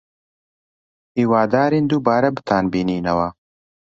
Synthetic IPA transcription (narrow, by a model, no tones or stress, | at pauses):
hiːwaːd̪aːɾiːnd̪uːbaːɾɐbɨ̥t̪ʰaːnbiːniːnɐwɐ